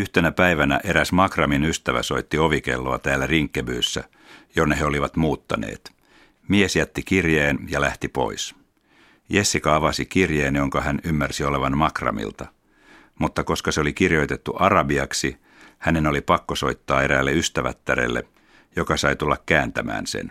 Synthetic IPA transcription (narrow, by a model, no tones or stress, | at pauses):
yht̪enæpæiʋænæ̰ʔe̞ɾæsmɑkrɑminyst̪æʋæ̰so̞it̪ːio̞ʋike̞̰lːoɑt̪æːlːæriŋkːebyːsːæ̰ | jonːeɦeo̞liʋɑt̪muːt̪ːɑnḛːt̪ | miesjæt̪ːikirjeːnjɑlæht̪ipo̞̰is | je̞sːikɑɑʋɑsikirjeːnjo̞ŋkɑhænymːærsio̞le̞ʋɑnmɑkrɑ̰mḭlt̪ɑ | mut̪ːɑko̞skɑseolikirjo̞jt̪e̞t̪ːuʔɑrɑbiɑksi | hæne̞nolipɑkːoso̞it̪ːɑːe̞ɾæːlːeyst̪æʋæt̪ːæɾḛlːḛ | jokɑsɑjt̪ulːɑkkæːnt̪æmæ̰ːnsḛn